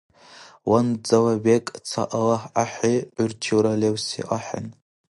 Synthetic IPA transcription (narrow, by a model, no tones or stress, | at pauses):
wand͡zawabekʼt͡sʰa̰ʔalaħʔaħʷiʕʊrt͡ʃʰiwɾalewsḭʔaħa̰n